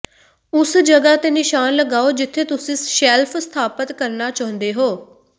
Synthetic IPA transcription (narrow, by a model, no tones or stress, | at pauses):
ʊsd͡ʒəɡaːt̪eːnɪʃaːnləɡaːoːd͡ʒɪt̪ʰːeːt̪ʊsĩːʃɛːlpʰst̪ʰaːpət̪kəɾnaːt͡ʃaːə̃nd̪eːɦoː